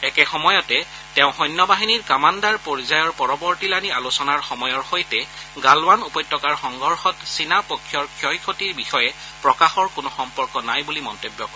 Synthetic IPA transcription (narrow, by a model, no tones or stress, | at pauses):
ɛkɛxɔmɔjɔtɛ | tɛ̃ʊ̃xɔjnːɔbaɦiniɹkamandaɹpɔɹzajɔɹpɔɹɔbɔɹtilanialusɔnaɹxɔmɔjɔɹxojtɛ | ɡalwanupɔjtʰːɔkaɹxɔŋɡʱɔɹxɔtsinapokʰːjɔɹkʰjɔjkʰotiɹbixɔjɛ | pɹɔkaxɔɹkʊnʊxɔmpɔɹkɔnajbulimɔntobjɔkɔ